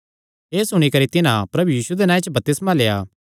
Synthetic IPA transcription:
ɦeːsʊɽ̃ikɐɾit̪ɪnã̰pɾɐbujiːsud̪enãːẽt͡ʃbɐp̚t̪ɪsmaleːa̰ː

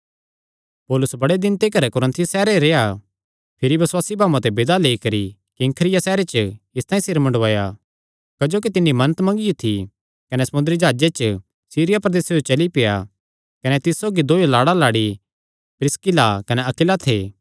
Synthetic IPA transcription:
poːlʊsbɐɽed̪ɪ̃nt̪ekɐɾɛkʊɾə̃nt̪ʰjsɛːɾeɾeja | pʰɪɾiʋɐswaːsibʱaːʋãt̪ɛbɪd̪aleikɐɾi | kiɐŋkʰəɾɪjasɛːɾet͡ʃəɪst̪aːĩsɪɾmɐ̃ɳɖʋaːja | kɐd͡ʒoːkit̪ɪnːimɐnət̪mɐ̃ŋɡijot̪ʰi | kɐnɛsɐmʊ̃nd̪ɾid͡ʒaːd͡ʒet͡ʃə | siːɾɪjapɾɐd̪eːsed͡ʒot͡ʃɐlipɪja̰ | kɐnɛt̪ɪsːoːɡid̪oːelaːɽalaːɽi | pɾɪskɪlakɐnɛɐkɪlat̪ʰḛː

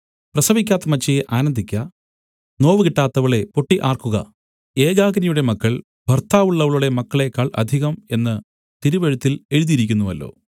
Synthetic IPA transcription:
prɐsɐbikʲːaːt̪ːɐmɐt͡ɕːɐjeʔaːnɐnd̪ʱikʲːɐ | no̞ːʋɨkiʈːaːt̪ːɐʋɐɭe̞po̞ʈːiʔaːrkuɣɐ̰ | e̞ːɣaːɡɐnɐjuɽe̞mɐkːɐɭ | bʱɐrt̪ʰaːʋuɭːɐʋɐɭuɽe̞mɐkːɐɭe̞kɐɭʔɐ̰d̪ʱiɣɐme̞nːɨ | t̪iɾuʋeɻut̪ːile̞ɻuðiɾikʲːunːuʋɐlːo̞̰ː

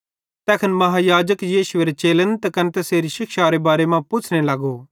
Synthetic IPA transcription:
t̪ɛːkʰənmɐɦajaːd͡ʒəkjiːʃʊeɾet͡ʃeːlənt̪ɛkɐnt̪ɛseːɾiʃɪkʰʃaːɾebaːɾemãpʊt͡ʃʰnelaɡoː

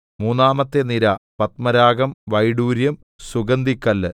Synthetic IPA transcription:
muːnːaːmɐt̪ːeniɾɐpɐt̪mɐɾaːɡɐmʋɐjɽuːɾjɐm | suɡɐnd̪ikːɐlːɨ

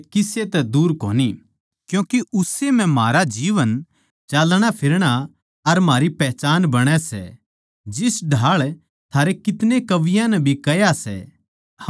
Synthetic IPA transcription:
kɪset̪ɛd̪uːɾko̰ːni | kjũːkiʊsemɛ̃maːɾad͡ʒiːʋən | t͡ʃalɽ̃apʰɪɾɽ̃a | ɐɾmaːɾipɛːt͡ʃaːnbɐɽ̃ɛsɛ̰ | d͡ʒɪsɖʱaːɭ | t̪ʰaːɾekɪt̪nekɐʋɪjãnɛbʱikɐjasɛ̰

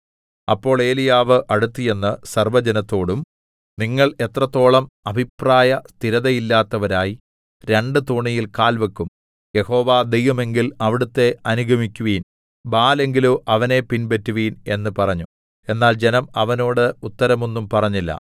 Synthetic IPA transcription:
ɐpːo̞ːɭe̞ːlijaːʋɨʔɐɽut̪ːije̞nːɨsɐrʋɐd͡ʑenɐt̪ːo̞ːɽum | niŋːɐɭe̞t̪rɐt̪ːo̞ːɭɐmɐbʱipraːjɐst̪ʰiɾɐðɐjilːaːt̪ːɐʋɐɾaːji | ɾe̞ɳɖɨt̪oɳijilkaːlʋɐkːum | je̞ho̞ːʋaːd̪e̞jʋɐme̞ŋɡilɐʋiɽut̪ːe̞ɐnuɡʱɐmikʲːuʋiːn | baːle̞ŋɡiluʔɐʋɐne̞pinbetːuʋiːne̞̰nːɨpɐrɐɲːu | e̞nːaːld͡ʑe̞nɐmɐʋɐno̞ːɽɨut̪ːɐɾɐmonːumpɐrɐɲːilːɐ̰

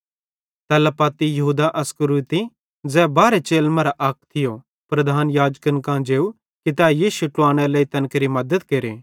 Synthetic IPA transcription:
t̪ɛːlapaːt̪ijɐɦuːd̪aʔɐskəɾuːt̪i | d͡zɛːbaːɾet͡ʃeːlmɐ̃ɾaʔɐk̚ʰt̪ʰɪjo | pɾɐd̪ʱaːnjaːd͡ʒkənkãd͡ʒeːu | kit̪ɛjiːʃʊʈːuaːɽ̃ɛleːit̪ɐnkɾimɐd̪əd̪keːɾeː

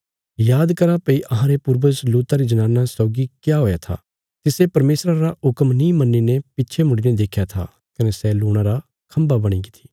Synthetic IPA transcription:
jaːd̪kɐɾãpɐiʔɐɦãɾepʊɾbəsluːt̪aɾid͡ʒɐnaːnːasɔːɡikjaɦoːjat̪ʰa̰ | t̪ɪsepɐɾmeːsɾaɾaʊkəmnĩːmɐnːinepɪtːʃʰemʊɽined̪eːkʰjat̪ʰa̰ | kɐnesɛluːɽ̃ãɾa | kʰɐ̃mbabɐɽ̃iɡɪt̪ʰi̥ː

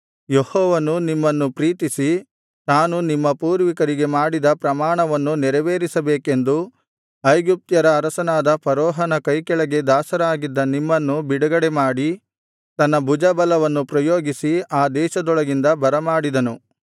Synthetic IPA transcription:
jehɔːʋɐnunimːɐnːupɾiːt̪isi | naːnunimːɐpuːɾʋikɐɾiɡe̞maːɽid̪ɐpɾɐmaːɳɐʋɐnːunɛɾɐʋeːɾisɐbeːke̞nd̪u | ɐjɡip̚t̪jɐɾɐːɾɐsɐnaːd̪ɐpɐɾɔːɦɐnɐkɐjkɛɭɐɡe̞d̪aːsɐɾaːɡid̪ːɐnimːɐnːubiɽɐɡɐɽemaːɽi | t̪ɐnːɐbud͡ʒɐbɐlɐʋɐnːupɾɐjoːɡisiaːd̪ɛːʃɐd̪ɔɭɐɡind̪ɐbɐɾɐmaːɽid̪ɐnu

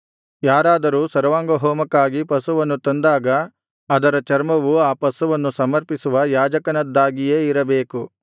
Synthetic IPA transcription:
jaːɾaːd̪ɐɾuːsɐɾɐʋaːŋɡɐɦɔːmɐkːaːɡipɐsuʋɐnːut̪ɐnd̪aːɡɐː | d̪ɐɾɐt͡ʃɐɾmɐʋuaːpɐsuʋɐnːusɐmɐɾpisuʋɐjaːd͡ʒɐkɐnɐd̪ːaːɡije̞ːiɾɐbe̞ːku

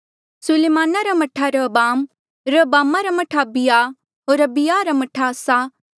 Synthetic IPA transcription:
sʊleːmaːnaɾamɐʈʰaɾɐbaːm | ɾəbaːmaɾamɐʈʰabɪja | ɦoːɾɐbɪjaɾamɐʈʰasa

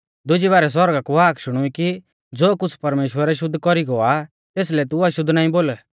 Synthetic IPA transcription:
d̪ʊd͡ʒibaːɾɛs̬wɔɾɡakuaːkʃʊɽ̃ʊiki | d͡zoːkʊt͡sʰpɐɾmeːʃwəɾɛʃ̬ʊd̪ʱːkɔɾiɡɔa | t̪eːs̬lɛt̪ʊɐʃʊd̪ʱːnaːĩboːl

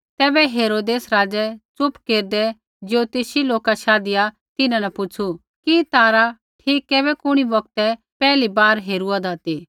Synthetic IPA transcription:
t̪ɛːbɛɦeːɾoːd̪eːsɾaːd͡zɛt͡sʊpkeːɾd̪ɛ | d͡ʒot̪eːsiloːkaʃaːd̪ɪja | t̪ɪnãnɛpʊt͡ʃʰu | kit̪aːɾa | ʈʰiːkːɛːbɛkʊɽ̃iʋɐk̚t̪ɛ | pɛːlibaːɾɦeːɾuad̪aːt̪i

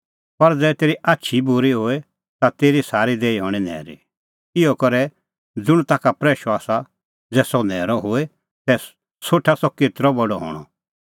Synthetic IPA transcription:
pɐɾd͡zɛːt̪eːɾiʔaːtːʃʰibʊɾiɦoːe | t̪at̪eːɾisaːɾid̪eːiɦɔːɽ̃inɛ̰ːɾḭ | ɪɔkɔɾɛ | d͡zʊɽ̃t̪aːkapɾɛːʃɔaːsa | d͡zɛːsɔnɛːɾɔɦoe | t̪ɛ | soːʈʰasɔkeːt̪ɾɔbɔɖɔɦɔ̰ːɽ̃ɔ̰

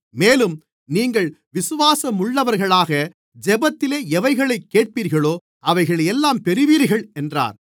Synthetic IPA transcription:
meːlɯm | niːŋɡɐɭʋɪsʊʋaːsɐmʊɭːɐʋɐɾɣɐɭaːɣɐ | d͡ʒɛbɐt̪ːɪleːɛʋɐɪɣɐɭɐɪkːeːʈ̚piːɾɣɐɭoː | ɐʋɐɪɣɐɭɛjɛlːaːmpɛɾɪʋiːɾɣɐɭɛndra̰ːɾ

